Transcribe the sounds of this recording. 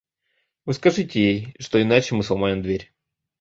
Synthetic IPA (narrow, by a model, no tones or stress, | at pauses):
vɨskɐʐɨtʲɪjejʂt̪o̞ɪnat͡ɕɪmɨslˠɐmajɪmd̪vʲeɾʲ